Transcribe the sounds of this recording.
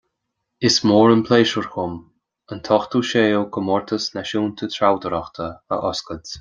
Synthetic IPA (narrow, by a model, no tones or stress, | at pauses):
ɪsmoːɾənpʰleːʃəɹxʊm | ənt̪ʰɔxt̪uːʃeːlkʰəmɔɹt̪ʰəsnaʃuːnt̪ʰət̪ʰɾawd̪əɾaxt̪ʰəə̰ʔɔskəd